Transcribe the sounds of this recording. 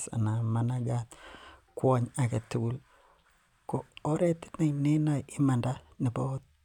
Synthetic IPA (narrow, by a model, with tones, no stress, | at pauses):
sa̰˨na˨ma˨na˦ɡa˦t̪kwo˦ɲa˨ke˨tːu˦ɡu˦l | ko˨o˦ɾe˦ti̥˦na˦ni˦na˦˨i˦ma˨nda˦ni˨bo˦t̚